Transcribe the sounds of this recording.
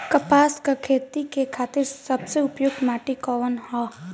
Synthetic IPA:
kɐpaːskakʰeːt̪ikekʰaːt̪iɾsɐbseʊpjuɡ̚t̪maːʈikɔːʋənha

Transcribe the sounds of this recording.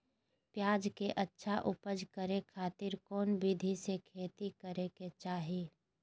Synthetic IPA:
pjaːd͡ʒkeʔɐtːʃʰaʔʊpəd͡ʒkəɾekʰaːt̪ɪɾkɔːnbid̪ʱisekʰeːt̪ikəɾeket͡ʃaːɦiː

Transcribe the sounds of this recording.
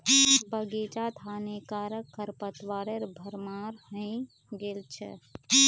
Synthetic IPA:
bəɡet͡ʃat̪ʰanekaɾəkʰːəɾpət̪ʋaɽəɾbʱəɾmaɾhə̃j̃ | ɡelt͡ʃʰɛ̰

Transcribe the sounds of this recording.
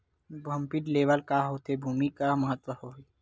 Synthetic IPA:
bʱəmpiʈleːʋəlkaɦot̪ebʱuːmikamɐɦət̪ːwəhoi

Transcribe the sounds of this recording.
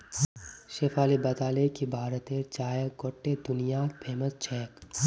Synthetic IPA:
ʃeːfaːlibɐt̪aːlekibʱaːɾət̪et͡ʃaːjəɡoʈːed̪ʊnijaːt̪̚bʰʱeːmət̪̚t͡ʃʰɛːk

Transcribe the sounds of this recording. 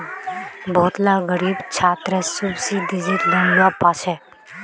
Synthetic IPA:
bɔːt̪laɡəɾiːbt͡ʃʰaːt̪ɾəsubsid̪ɪd͡ʒit̪lɐndapaːsɛ

